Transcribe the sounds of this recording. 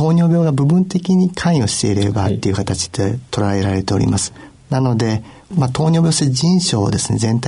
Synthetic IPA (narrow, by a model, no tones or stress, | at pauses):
o̞ːɲʲo̞ːbʲjo̞ːɡabɯ̟bɯ̟̃nt̪e̞kʲiɲ̟ikʰãɰĩo̞ɕi̥t̪e̞iɾe̞bat̪ːe̞iɯ̟kat̪at͡ɕi̥d̪et̪o̞ɾaeɾaɾe̞t̪e̞o̞ɾʲḭmasɨ̥ | nano̞d̪e̞ | mat̪o̞ːɲʲo̞ːbʲoːɕed͡ʑĩɰ̃ɕo̞̰ːd̪e̞sɨ̥ne̞zẽ̞nt̪a